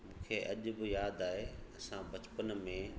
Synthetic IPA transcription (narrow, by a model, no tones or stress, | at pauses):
mũːkʰeʔɐʄʊ̆bɪjaːd̪aːɦeɐsãbɐt͡ɕpənmẽ